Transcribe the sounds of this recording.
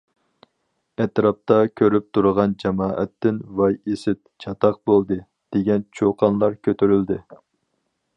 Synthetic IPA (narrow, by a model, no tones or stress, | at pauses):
ɛt̪ɾɑp̚t̪ɑkʲʰøɾyp̚t̪ʰuɾəʁɑnd͡ʒɛmɑːʔɛ̰t̪ːɪnvɑjesɪt̪̚t͡ʃʰɑt̪ʰɑq̚bolˠd̪ɨ | d̪̥eɡʲɛnt͡ʃʰoqʰɑnlˠɑɾkʲʰøt̪ʰyɾyld̪ɪ